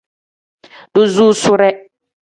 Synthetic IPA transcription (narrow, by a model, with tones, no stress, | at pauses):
d̥ʊ˦zuː˦sʊ˦ɾɛ˦